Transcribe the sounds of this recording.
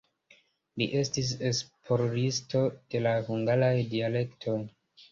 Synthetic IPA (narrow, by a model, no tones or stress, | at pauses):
liʔe̞stis̬e̞spʰo̞ɾɾisto̞d̥e̞lahuŋɡaɾajdiale̞ktʰo̞j